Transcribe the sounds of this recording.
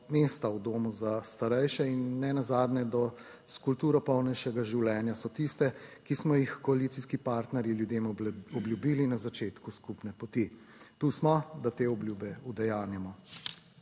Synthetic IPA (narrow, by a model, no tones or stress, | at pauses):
meːst̪awd̪oːmuzast̪aɾɛjʃɛinːɛnazaːd̪nɛd̪ɔ | skulpt̪uːɾɔpɔwnɛjʃɛɡaʒiwlɛːnjasɔt̪ist̪ɛkismɔjixkɔalit̪siskipaːɾt̪nɛɾjiljud̪eːmɔbljubiːlinazat͡ʃeːt̪kuskupnɛpɔt̪i | t̪uːsmɔd̪at̪eːɔbljuːbɛud̪ɛjaːnjɛmɔ